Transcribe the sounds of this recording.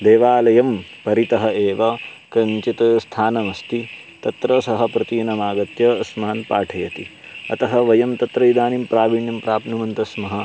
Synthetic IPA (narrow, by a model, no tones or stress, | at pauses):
d̪eːʋaːlɐjɐmpɐɾit̪ɐɦɐeːʋɐkɐnt͡ʃit̪ɐst̪ʰaːnɐmɐst̪i | t̪ɐt̪ɾɐsɐɦɐ̆pɾɐt̪iːnɐmaːɡɐt̪jɐɐsmaːnpaːʈʰɐjɐt̪i | ɐ̰t̪ɐɦɐʋɐjɐmt̪ɐt̪ɾɐid̪aːnimpɾaːʋiɳjɐmpɾaːpnumɐnt̪ɐsmɐɦɐ̆